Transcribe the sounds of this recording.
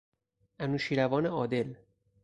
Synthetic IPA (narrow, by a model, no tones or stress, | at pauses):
ʔænuːʃiːɾævɒːneɒːd̪e̞l